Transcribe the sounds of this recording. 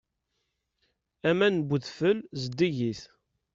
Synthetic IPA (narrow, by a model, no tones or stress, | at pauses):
æmænbuðfəlzəd̪iʝiθ